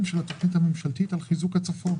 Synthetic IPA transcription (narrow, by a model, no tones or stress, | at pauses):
mʃelat̪oχnithamemʃalt̪it̪alχizukhat͡safo̞n